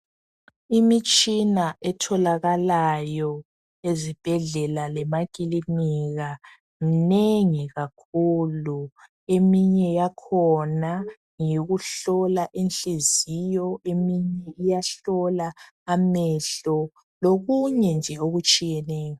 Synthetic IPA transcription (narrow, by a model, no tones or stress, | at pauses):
imit͡ʃʼinaʔɛtʰɔlaɣalajɔ | ezib̥ʱɛɮɛlalɛmakʼiliniɣa | mineŋiɣakʰulu | emiɲɛjakʰɔna | ŋiɣuɬɔlaʔenɬezijɔemiɲɛijaɬɔlaː | mɛɬɔ | loɣuɲɛnd͡ʒʱɛoɣut͡ʃʼijɛnɛːjɔ